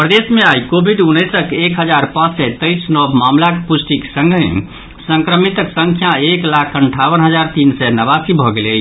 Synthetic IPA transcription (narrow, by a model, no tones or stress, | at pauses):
pɾəd̪esmeajkobʱiɖunːəsəkekɦəd͡ʒaɾpãt͡ʃsɛt̪əjsnɔbmamlakpusʈiksə̃ŋɡʱẽ | səŋkɾəmit̪əksəŋkʰjaeklakʰəɳʈʰaʋənɦəd͡ʒaɾt̪insɛnəβasibʱɔɡelə